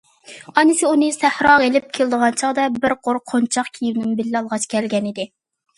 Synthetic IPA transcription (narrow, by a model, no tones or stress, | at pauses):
ɑnɨsɪunɨsæhɾɑʁelɪp̚kʲʰelɪd̪əʁɑnt͡ʃʰɑʁd̪ɛbɪɾqʰoɾqʰont͡ʃʰɑqkʲʰijivnɪnbɪlːɑlˠʁɑt͡ʃkʲʰɛlɡʲɛnɪd̪ɪ